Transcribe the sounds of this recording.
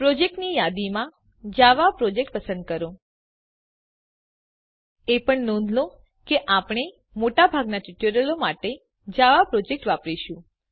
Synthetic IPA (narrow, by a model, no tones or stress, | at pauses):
pɾɔd͡ʒek̚ʈnijad̪imã | d͡ʒaʋapɾɔd͡ʒek̚ʈ̚pəsə̃nd̪̚kəɾõ | epəɳnõnd̪ʱlõ | keʔapɳ̃e | moʈabʱaɡnaʈiʈəɾəlomaʈe | d͡ʒaʋapɾɔd͡ʒek̚ʈʋapɾiʃũ